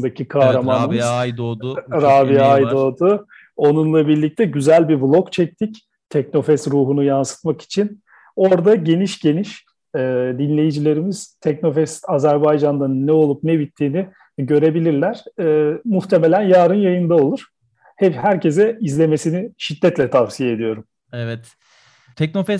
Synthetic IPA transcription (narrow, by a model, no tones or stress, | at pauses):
d̪acʰikʰaɾamanɯmɯz | ɾaːbiajd̪o̞d̪ʊ | o̞nunlˠabiɾlʲic̚t̪ʰɛɟyzælʲbiblˠo̞kt͡ʃʰɛc̚t̪ʰic | t̪ʰɛkno̞fɛsɾuːɦunujansɯ̥t̪maki̥t͡ʃʰin | o̞ɾd̪aɟe̞niʃɟe̞niʃ | ɛːd̪inlʲe̞jid͡ʒilʲe̞ɾimiz̥t̪ʰɛkno̞fɛsazæɾbajd͡ʒand̪anɯnːɛo̞lˠup̚nɛbit̪ʰːiːni | ɟø̞ɾe̞bilʲiɾlʲæɾ̥ːmuxt̪ʰe̞me̞lʲænjaːɾɯnjajɯnd̪ao̞lˠuɾ̥ | hɛphæɾcʰe̞zɛizlʲeme̞siniʃid̪ːɛt̪lʲɛt̪ʰafsijeed̪ijo̞ɾum | ɛvɛt̪ | t̪ʰɛk̚nofɛs